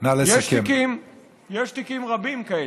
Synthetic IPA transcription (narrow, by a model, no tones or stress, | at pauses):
nalejeakmkim | jeʃt̪ikimʁabimkael